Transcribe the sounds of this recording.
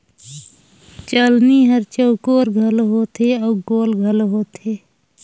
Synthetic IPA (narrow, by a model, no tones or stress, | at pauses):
t͡ʃəlniɦəɾt͡ʃəːkoːɾɡʱəlɦoːt̪ʰeɔːɡoːlɡʱəlɦoːt̪ʰeː